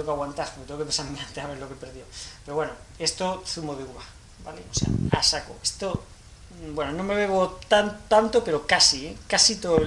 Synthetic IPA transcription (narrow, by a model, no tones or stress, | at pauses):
ekaɣwant̪aspoket̪ekepesamiant̪eaβeɾlo̞kepeɾðjopeɾoβweno | e̞st̪oθumoðeuβa | baleosḛa̰a̰sako̰est̪o | bwenonomeβ̞eβot̪ant̪ant̪ope̞ɾo̞kasiekasit̪o